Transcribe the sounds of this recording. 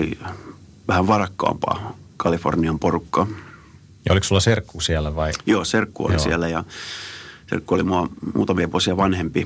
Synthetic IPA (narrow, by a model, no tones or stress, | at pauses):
ḭ | ʋæhæʋʋɑrɑkːɑ̰ːmpɑ̰ːkɑlifo̰rniɑmporukːɑ | jɑoliksulːɑserkːusiælːˑæʋɑijoːserkːuo̰lisielːæjɑ | sḛrkːuolimuɑmṵːt̪ɑmiɑʋuosiɑʋɑnhempi